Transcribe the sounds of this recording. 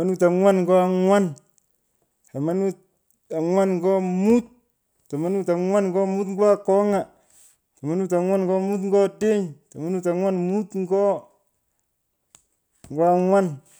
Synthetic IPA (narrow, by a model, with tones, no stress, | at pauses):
a˦nu˦ta˨ŋwa˦nŋ˦ɡo˦a˦˨ŋwa˦n | ta˨ma˦nu˦ | a˨ŋwa˦nŋɡo˦mu˦t̪̚ | ta˨ma˦nu˦ta˨ŋwa˦nŋɡo˦mu˦tŋɡo˦a˦ko˦ŋa˨ | ta˨ma˦nu˦ta˨ŋwa˦nɡo˦mu˦tŋ˦ɡo˦de˦ɲta˨ma˦nu˦ta˨ŋwa˦nmu˦tŋ˦ɡo˦ | ŋɡo˦a˦˨ŋwa˦n